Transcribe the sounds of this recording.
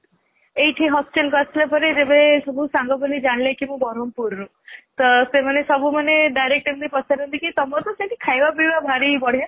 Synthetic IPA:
eiʈʰiɦɔsʈelkɔtʰilepɔɾed͡ʒebesɔbʱusaŋɡɔpɔned͡ʒaɳlekimũbɔɾɔmpuɾːũ | t̪ɔsemanesɔbʱumaneɖajɾek̚ʈemd̪ipɔt͡ʃʰaɾɦunt̪ikit̪ɔmɔt̪ɔseʈikʰajbabibabʱaɾibɔɽ̤ia

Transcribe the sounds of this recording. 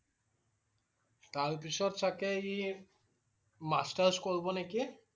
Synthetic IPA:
taɹp̬isɔtsakɛi | mastaɹskoɹbɔneki

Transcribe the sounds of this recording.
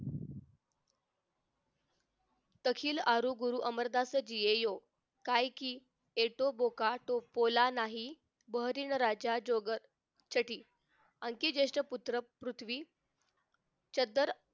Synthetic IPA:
t̪əkʰiːlaɾuɡuɾuːʔəməɾd̪asəd͡ʑijejo | kajkiː | eʈobokaʈopolanaɦi | bəɦɾiːɳɾad͡ʑad͡ʑoɡəɾ | t͡ɕəʈiː | əŋkid͡ʑeʂʈəput̪ɾəpɾut̪ʰʋiː | t͡ɕəd̪əɾ

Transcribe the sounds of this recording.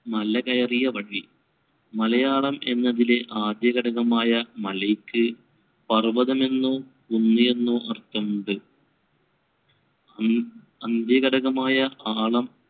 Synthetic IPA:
mɐlɐkɐjɐrijɐʋɐɽi | mɐlɐjaːɭɐme̞nːɐðile̞ʔaːd̪jɐɣɐɽɐɣɐmaːjɐmɐlɐjkːɨ | pɐrʋɐðɐme̞nːoː | unːɨje̞nːoːʔɐrt̪ːɐmɳɖɨ | ɐnd̪jɐɣɐɽɐɣɐmaːjɐʔaːɭɐm

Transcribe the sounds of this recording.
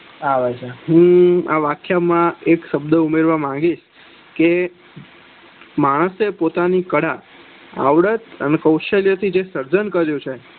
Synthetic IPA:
aʋad͡ʒaɦũa̰ʋakʰjamãekʃəbd̪əumeɾʋamãŋɡiʃ | ke | maɽ̃əsepot̪anikəɽa | a̰ʋɽət̪ənekəwʃəljət̪ʰid͡ʒesəɾd͡ʒənkəɾjũt͡ʃʰe

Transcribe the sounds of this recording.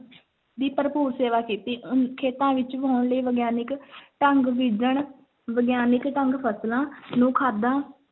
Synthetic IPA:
d̪iːpəɾəpuːɾseːʋaːkiːt̪iːʔʊnkʰeːt̪ãːʋɪt͡ʃʋoːɳləiːʋəɡjaːnɪkʈəŋɡʋid͡ʒəɳ | ʋəɡjaːnɪkʈəŋɡpʰəslãːnũːkʰaːd̪ãː

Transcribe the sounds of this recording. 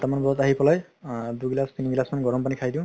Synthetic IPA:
tamanbɔɔtaɦipɔlaj | duɡilast̪iniɡilasmaniɡɔɹɔmpanikʰajdĩ

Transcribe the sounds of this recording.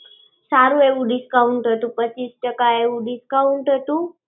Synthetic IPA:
saɾueʋuɖɪskauɳʈɦət̪ũpət͡ɕːiːsʈəkaeuɖiskauɳʈɦət̪ũ

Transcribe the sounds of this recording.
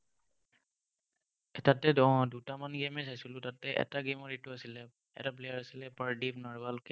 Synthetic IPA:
tatɛdɔ̃dutamanɡemɛsajsulʊtatɛʔɛ̰taɡemɔɹituasilɛ | ɛ̰tap̬lejaɹasilɛpaɹdipnɔɹbalkɛ

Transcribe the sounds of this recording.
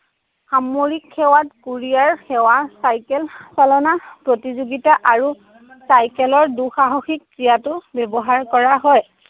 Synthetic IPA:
xamoɹikʰːɛwatkuɹijaɹxɛwasajkɛlsalɔnapɹotizuɡitaʔaɹu | sajkɛlɔɹduxaɦɔxikːɹijatʊbɛbɔɦaɹkɔɹaɦɔj

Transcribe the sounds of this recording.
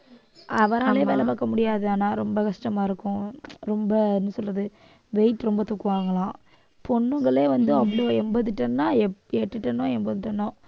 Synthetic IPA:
ʔɐʋɐɾaɭeːʋeːlɐpaːkːɐmʊɽɪjaːðɯaːnaːɾɔmbɐkɐʂʈɐmaːɪɾɯkːʊ̃ɾɔmbɐɪnːɯsɔlɐðɯ | ʋɛɪʈːɾɔmbɐt̪ʊkːɯʋaːŋɡɐɭãː | pɔɳːɯŋɡɐɭeːʋɐnd̪ɯɐpːɐɽooɛmbɐðɯʈːɐnnːaːɛɛʈːɯʈːɐnːʊ̃ːɛmbɐðɯʈːɐɳːʊ̃ː

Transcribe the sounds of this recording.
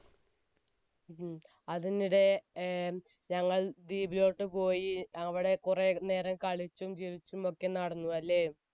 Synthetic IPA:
ɐðiniɽe̞ | ɲɐŋːɐɭd̪iːbilo̞ːʈːɨpo̞ːjiɐʋiɽe̞kurene̞ːɾɐŋkɐɭit͡ɕːumt͡ɕiɾit͡ɕːumo̞kːe̞nɐɽɐnːuɐlːe̞ː

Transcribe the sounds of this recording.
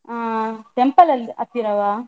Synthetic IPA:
aːt̪empɐlɐlɐt̪ːiɾɐʋaː

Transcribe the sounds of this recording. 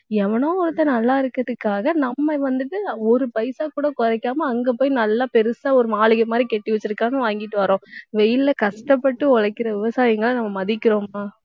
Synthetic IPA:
ɛʋɐnõːɔɾɯt̪ːɐnɐlːaːɪɾɯkːɯɾɐðɯkːaːɣɐnɐmːɐʋɐnd̪ɯʈːɯɔɾɯpɐjsaːkuːɽɐkɔɾɐɪkːaːmɐːŋɡɐːp̬oːjinɐlːaːpɛɾɯsaːɔɾɯmaːɭɯɣɐɪmaːd̪ɾikɛʈːiʋɛt͡ʃːɪɾɯkːaːnɐʋaːŋɡɪʈːɯʋɐɾõːʋɛjɪllɐkɐʂʈɐpːɐʈːɯɔɭɐkːɪɾɐʋɪʋɐsaːjɐŋɡɐɭɐnɐmːɐmɐðɪkʲːɪɾõːmaː

